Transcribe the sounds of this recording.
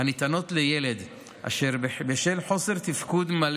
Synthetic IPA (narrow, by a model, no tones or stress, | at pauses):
anit̪ano̞t̪lejeled̪ | ʔa̰ʃeʁbeʃelħo̞se̞ʁt̪ifkud̪mal